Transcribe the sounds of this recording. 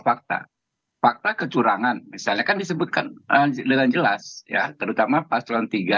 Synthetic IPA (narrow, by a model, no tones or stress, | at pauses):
fak̚t̪a̰ | fak̚t̪akət͡ʃuɾaŋanmisalɲakandis̬əbʊt̪̚kanədəŋand͡ʒəlasja̰t̪əɾut̪amapast̪aant̪iɡa